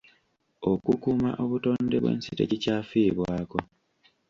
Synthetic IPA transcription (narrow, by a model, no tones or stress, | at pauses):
o̞kukuːma̰ʔo̞βuto̞ːndeβwe̞̰ːnsite̞̰cicaːfiːβwaːko̞